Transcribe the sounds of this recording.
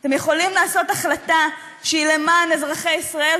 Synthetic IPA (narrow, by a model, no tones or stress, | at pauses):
t̪e̞mjeχo̞limlaːso̞t̪aχlat̪a | ʃeile̞maːnezʁaχejisʁae̞l